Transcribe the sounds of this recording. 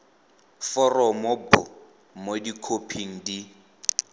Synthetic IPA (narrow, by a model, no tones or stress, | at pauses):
fɔrɔmobʊ̰ | modikʰopʰiŋ̩di